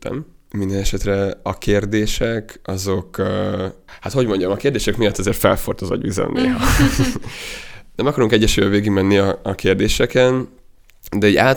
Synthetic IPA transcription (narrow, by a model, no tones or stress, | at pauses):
t̪ɛ̰mmind̪ɛnɛʃɛt̪rɛɒkeːrd̪eːʃɛkɒzo̞kː | hat̪ho̞ɟmo̞ɲɟɒmɒkeːrd̪eːʃɛkmijɒt̪ːɒzeːrt̪fɛ̰lfo̰rt̪ozo̰ɟ̪bizɛ̰nnːḛːɦɒ | nɛmɒkɒɾuŋkɛɟːɛʃyːjɛveːɡiɡmɛnːiɒːkeːrd̪eːʃɛkɛn | d̪ɛɛɟa̰ːt